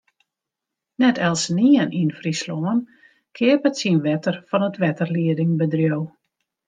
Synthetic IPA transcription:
nɛtʰɛlˠsniənʔinfrisloən | kʰɪəpətsinʋɛtərfɔnətʋɛtərliədɪŋbədrjow

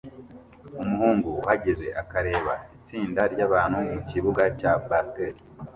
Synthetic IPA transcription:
umuhuːŋɡuhaɟeze̞̰ʔakaɾe̞ːβa̰it͡siːndaɾɟaβaːn̥humuciβuɡacabasteɾi

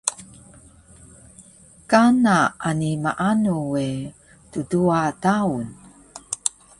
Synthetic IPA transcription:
kanaanimaʔanuwe | tuduataun

